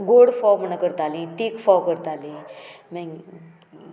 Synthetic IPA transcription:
ɡoɽfɔwməɳəkəɾt̪alĩt̪ikfɔwkəɾt̪alĩmɛ̃

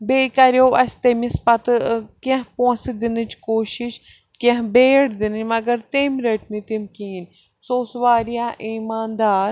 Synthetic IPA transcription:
beːkɐɾjoːʔɐst̪emispɐt̪ɨkẽɦposid̪inɨt͡ʃkoːʃiʃ | kẽɦbeːɽd̪inɨmɐɡɐɾt̪eːmɾeʈmit̪imkiːn | soːsʋaːɾijaːʔiːmaːnd̪aːɾ

